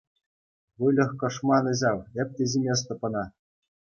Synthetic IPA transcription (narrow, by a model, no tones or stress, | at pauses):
ʋɯlʲɤ̆xkɤ̆ʂmɑnɤ̆ʑɑwɘ̆p̚ʲtʲɘ̆zʲimʲes̬t̪ɤ̆pɤ̆nɑ